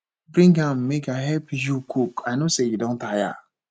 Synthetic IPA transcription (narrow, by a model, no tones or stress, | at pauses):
bɾĩŋɡãmmekaɦɛpijukukajnosejudɔ̃n̩taja̰